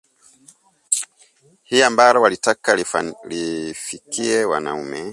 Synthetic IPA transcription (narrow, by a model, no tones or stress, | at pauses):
hiambaɾɔwalitakalifikiɛwa̰na̰umɛ